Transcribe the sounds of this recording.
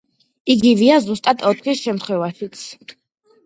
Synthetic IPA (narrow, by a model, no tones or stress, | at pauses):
iɡiviazust̪ʼad̪ʰʼɔt̪ʰχisʃɛmt̪ʰχwɛvaʃit̪sʰ